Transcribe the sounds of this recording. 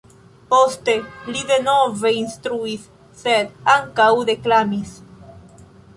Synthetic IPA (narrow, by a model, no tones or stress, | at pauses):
post̪eliðenoveinst̪ɾuisː | ed̪aŋkawðeklamis